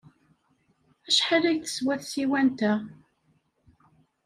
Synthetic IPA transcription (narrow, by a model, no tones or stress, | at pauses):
æʃħalæʝθə̥swæθsiwænt̪æ